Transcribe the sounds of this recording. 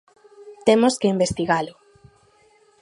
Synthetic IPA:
t̪emʊskeimbest̪iɣalʊ

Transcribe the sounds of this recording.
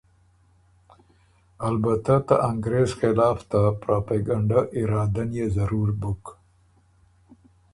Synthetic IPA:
albat̪at̪aʔaŋɡɾezxɪlɑːft̪apɾapeɡaɳɖaʔɪɾɑːd̪anjezɐɾuɾbʊk

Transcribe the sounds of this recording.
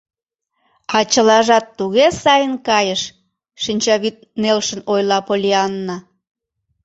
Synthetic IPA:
ɑt͡ɕəlɑʒɑt̪ːuɣesɑjənkɑjəʃ | ʃinʲt͡ɕɑβit̪̚nelʃənojlɑpolʲiɑnːɑ

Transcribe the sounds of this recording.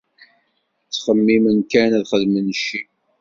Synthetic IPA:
t͡sːχəmːimənkænæðχəðmənʃi

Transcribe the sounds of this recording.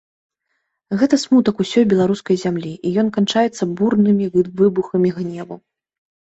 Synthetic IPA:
ɣɛt̪ɐsmut̪ɐkusʲɔjbʲɛlˠaɾuskɐjzʲamlʲiʔijɔnkant͡ʂajɛt̪sːɐburnɨmʲivɨbuxɐmʲiɣnʲɛvu

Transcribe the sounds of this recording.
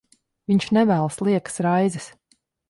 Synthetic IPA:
viɲʃnɛvæːlˠslˠiɛksɾajzɛs

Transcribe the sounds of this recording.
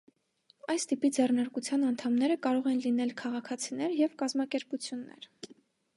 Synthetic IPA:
ɑjst̪ipid͡zɛrnɑɾkut͡sʰjɑnɑnt̪ʰɑmnɛɾəkɑɾɔʁɛnlinɛlkʰɑʁɑkʰɑt͡sʰinɛɾjɛvkɑzmɑkɛɾput͡sʰjunːɛ̰ɾ

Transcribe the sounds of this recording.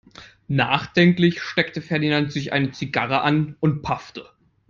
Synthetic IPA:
naːχd̥ɛŋklɪçʃtɛktəfɛɐdinantz̥ɪçʔa̰ɪnət͡siɡaʁəʔanʊnt̚pʰaftə

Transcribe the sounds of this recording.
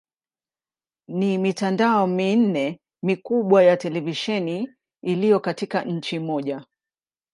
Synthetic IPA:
nimitandaɔmin̩nɛ | mikuɓwajatɛlɛviʃɛniː | lijɔkatikaɲ̩t͡ʃimɔʄa

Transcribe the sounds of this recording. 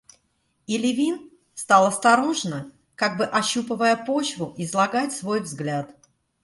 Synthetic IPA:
ɪlʲɪvʲin | st̪ɑlˠɐst̪ɐɾo̞ʐnə | kaɡ̚bɨʔɐɕːupəvəjəpo̞t͡ɕvʊʔɪzlˠɐɡatʲsvo̞jvzɡlʲat̪

